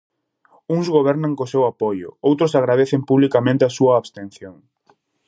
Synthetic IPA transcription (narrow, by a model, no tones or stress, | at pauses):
uŋzɣoβ̞ɛɾnɐŋkosewapojʊ̰owt̪ɾʊsaɣɾað̞eθempuβlikamẽnt̪easuɐːβst̪en̟θjoŋ